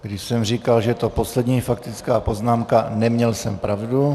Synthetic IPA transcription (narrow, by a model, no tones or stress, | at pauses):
ɡdɪʃsɛmr̝iːkalʒɛt̪o̞po̞slɛdɲiːfak̚t̪ɪt͡skaːpo̞znaːmkanɛmɲɛlsɛmpɾavdu